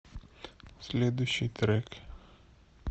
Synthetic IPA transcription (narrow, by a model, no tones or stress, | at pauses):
sʲlʲɛd̪ʊjɕit̪ɾɛk